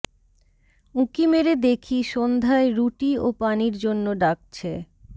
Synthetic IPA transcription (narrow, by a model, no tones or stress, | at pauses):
ũkimeɾed̪ekʰiʃond̪ʱaeɾuʈiopaniɾd͡ʑonːoɖak̚t͡ɕʰe